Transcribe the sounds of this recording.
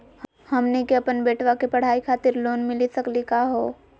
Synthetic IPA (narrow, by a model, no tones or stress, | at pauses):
həmnekeɐpənbeːʈʋakepɐɽ̤aːikʰaːt̪ɪɾloːnmɪlisɐklikaɦoː